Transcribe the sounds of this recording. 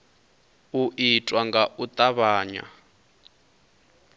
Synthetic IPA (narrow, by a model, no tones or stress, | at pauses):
uʔitʼwaŋɡaʔut̪ʼaβaːɲa̰